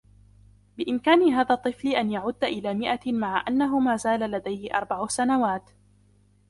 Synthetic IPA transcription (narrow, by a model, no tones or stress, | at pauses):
bɪʔɪmkaːnɪɦaːðat̪ˤːɨflɪʔanjaʕʊd̪ːʔɪlaːmɪʔamaʕaʔanːaɦʊmaːzaːlalad̪ajhɪʔɑ̰ɾˤbaʕʊsanawaːt̪